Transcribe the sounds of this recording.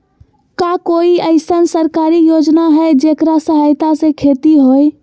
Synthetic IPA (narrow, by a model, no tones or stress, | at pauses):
kakoiəɪsənsəɾkaɾijod͡ʒnaɦəjd͡ʒekɾasəɦajt̪asẽkʰet̪iɦoj